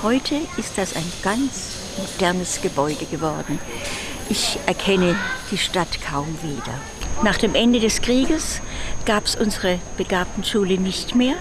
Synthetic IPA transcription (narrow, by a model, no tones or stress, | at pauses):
hɔʏtʰəʔɪst̚d̥asaɪnɡ̥ant͡s | mod̥ɛɐnəsɡ̥əbɔʏdəɡəvɔɐdn̩ | ʔɪçʔɛɐkʰɛnəd̥iːʃtatkʰaʊmviːdɐ̰ | naːχd̥eːmʔɛndədɛskʁ̥iːɡəsɡ̥aːpsʔʊnzəʁəb̥əɡaɐp̚tn̩ʃuːlənɪçtmeːɐ